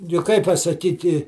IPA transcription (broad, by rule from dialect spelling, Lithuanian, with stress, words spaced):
jʊk ˈkɐɪp pɐsɐˈkʲiːtʲɪ